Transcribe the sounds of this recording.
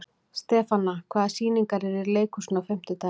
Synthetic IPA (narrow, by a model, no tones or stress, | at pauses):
st̪ɛːfanakʰvaːðasiːniŋkaɾɛɾiɾleːjkʏsnawfɛm̥t̪ʏt̪a